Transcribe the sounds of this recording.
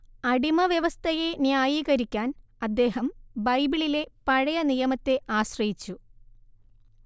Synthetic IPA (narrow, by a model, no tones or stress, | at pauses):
ɐɽimɐʋjɐʋɐst̪ʰɐjenjaːjiːɣɐɾikʲːaːn | ɐd̪ːe̞ːɦɐmbɐjbiɭile̞pɐɻɐjɐnijɐmɐt̪ːe̞ʔaːɕrɐjit͡ɕːu